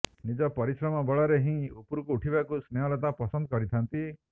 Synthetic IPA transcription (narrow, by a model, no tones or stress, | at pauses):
nid͡ʒɔpɔɾisɾɔmɔbɔɭɔɾeɦĩupuɾkuːʈʰibakusneɔlɔt̪apɔsɔnd̪ɔkɔɾit̪ʰant̪i